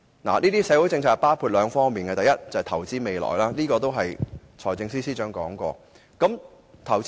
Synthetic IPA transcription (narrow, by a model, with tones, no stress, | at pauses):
na̰ː˨˩niː˥t̪iː˥sɛː˨˥wu˨˥jt͡sɪ˧ŋt͡sʰaː˧k̚paː˥wkʰuː˧t̚lœː˨˧ŋfɔː˥ŋmiː˨˩nkɛː˧ɐ˨jɐ˥t̚t͡sɐ˨ɐ˨t̪ʰɐ˨˩wt͡siː˥me˨˧jlɔ̰ː˨˩jlaː˥niː˥kɔː˧t̪o˥wɦɐ˨j | t͡ʃʰɔː˨˩jt͡sɪ˧ŋsiː˥siː˥t͡ʃœː˨˥ŋkɔː˨˥ŋkʷɔ̰ː˧ | kɐ˨˥m | t̪ʰɐ˨˩w